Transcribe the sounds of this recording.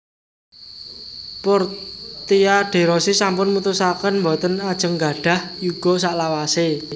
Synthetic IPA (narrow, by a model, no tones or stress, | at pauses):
pɔrt̪iaɖ̥e̤ɾɔsisampʊnmut̪usakənmbɔ̤t̪ənad̥ʒ̥ə̤ŋɡa̤ɖ̥ä̤hjuɡ̥ɔ̤saʔlawase